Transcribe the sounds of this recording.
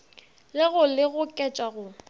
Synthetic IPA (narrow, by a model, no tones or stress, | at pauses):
lɪɣʊlɪɣʊkʼɛt͡ʃʼwaɣʊ